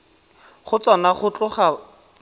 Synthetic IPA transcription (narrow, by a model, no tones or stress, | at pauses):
χʊt͡swanaχʊt͡ɬʊχa